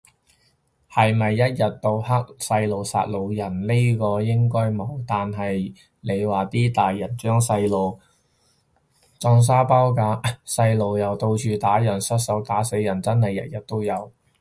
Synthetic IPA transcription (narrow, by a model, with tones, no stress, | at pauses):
hɐ˨jmɐ˨jːɐ˥t̚jɐ˨t̚t̪o˧whɐ˥k̚sɐ˧jlo˨˩wsa̰ː˧t̚lo˨˧wjɐ˨˩nli˥kɔː˧jɪ˥ŋkɔː˥jmo˨˧wt̪aː˨nɦɐ˨j | le˨˧jwaː˨˩t̪iː˥t̪aː˨jːɐ˨˩nt͡ʃœː˥ŋsɐ˧jlo˨w | t͡sɔː˧ŋs̬aː˥pɐ˥wkaː˧sɐ˧jlo˨wjɐ˨wt̪o˧wt͡ʃyː˨˧t̪aː˨˥jɐ˨˩nsɐ˥t̚sɐ˨˥wt̪aː˨˥se˨˥jɐ˨˩nt͡sɐ˥nlɐ˨˩jɐ̰˨˩t̚jɐ˨t̚t̪o˥wjɐ˨˧w